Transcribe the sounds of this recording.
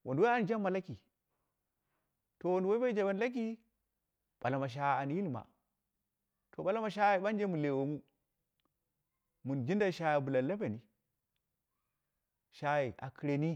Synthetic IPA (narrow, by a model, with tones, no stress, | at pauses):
wʔo˨ndwa˦a˦˨n˨d͡ʒa˦mːa˨la˦ki˨ | to˨wo˨ndwa˦i˦ba˦i˦d͡ʒa˨ba˦n˦la˦k̬i˦ | ɓ̥a˨la˨ma˨ʃ̬a˨˦˨a˨n˨ji˦lma̰˨ | to˨ɓa˨la˦ma˨ʃ̬a˦i˨ɓa˦nd͡ʒe˦mu˨le˨wo˨mu˦ | mu˨nd͡ʒi˦nda˦ʃa˦ja˨bu˨la˨nla˦ba˨ni˨ | ʃa˦ji˨ʔa̰˨ki˨ɾe˨ni˦